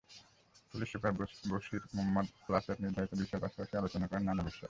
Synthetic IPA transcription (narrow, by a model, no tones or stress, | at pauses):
puliʃokaɾboʃiɾmomːad̪plaseɾniɾd̪ʱaɾit̪obiʃɔeɾpaʃḁpaʃialot͡ɕonakɔɾenːanabiʃa